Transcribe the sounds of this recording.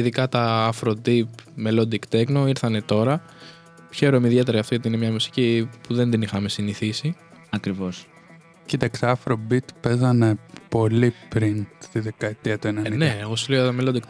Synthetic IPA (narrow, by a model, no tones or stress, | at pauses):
iðikɐt̪ɐɐfɾod̪ipmelo̞d̪ikt̪e̞kno̞iɾθɐne̞t̪o̞ɾɐ | çe̞ɾomeiðe̞t̪e̞ɾɐɐft̪oɐt̪iinemɲɐmusi̥cipuðe̞nd̪inixɐme̞siniθisi | ɐkɾivo̞s | cit̪ɐksɐfɾobit̪pe̞zɐne̞po̞lipɾinst̪iðekɐet̪iɐt̪uenɐnneːɣo̞suleot̪ɐmelod̪ikt̪